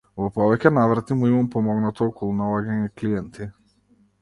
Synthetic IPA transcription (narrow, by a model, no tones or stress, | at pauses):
vɔpɔvɛcɛnavɾat̪imuimampɔmɔɡnat̪ɔɔkɔlˠunalˠaɡaɲɛklijɛnt̪i